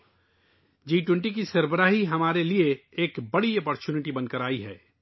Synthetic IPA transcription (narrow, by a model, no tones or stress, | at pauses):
d͡ʒiːʈwɛ̃ɳʈik̬isɐɾbəɾaːɦiɦɐmaːɾelieːkbɐɽiɐːpɔːɾt͡ʃuːnɪʈibɐnkəɾaːiɦɛ̰ː